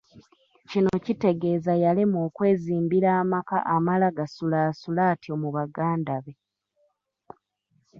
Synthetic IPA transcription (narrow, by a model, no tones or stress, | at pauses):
cino̞cite̞ɡe̞ːzajalimoːkwe̞ːziːmbiɾaːmaka̰ʔamalaɡasulaːsulaːtiomuβaɡaːndaβe̞